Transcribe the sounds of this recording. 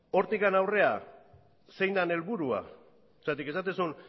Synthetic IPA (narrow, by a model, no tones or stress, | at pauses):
o̞ɾt̪ikanawre̞a | se̞jnd̪ane̞lβuɾua̰ | sat̪ike̞sat̪̬esun